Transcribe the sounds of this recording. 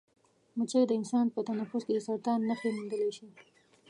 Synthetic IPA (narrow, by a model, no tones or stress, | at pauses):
mət͡ʃajd̪əɪnsɑnpət̪anafʊsked̪əsaɾt̪ɑnːaxemund̪əlaʃi